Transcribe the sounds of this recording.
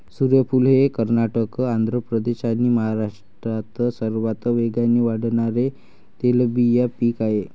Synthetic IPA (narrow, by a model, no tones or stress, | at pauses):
suɾjəpulɦekəɾnaʈəkand̪ʱɾəpɾəd̪eɕañiːməɦaɾaʂʈɾat̪əsəɾʋat̪əʋeɡanːiːʋaɽɳaɾe | t̪eləbijapiːkaɦe